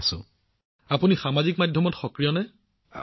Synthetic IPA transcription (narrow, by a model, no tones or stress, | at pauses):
sʊ̰̃ | apunixamazikmadʱjɔmɔtxɔkɹijɔnɛ